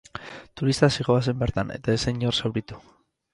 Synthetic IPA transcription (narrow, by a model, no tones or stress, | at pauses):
t̪uɾist̪asiɣo̞asembeɾt̪ane̞̰t̪aeseɲorsawɾit̪u̥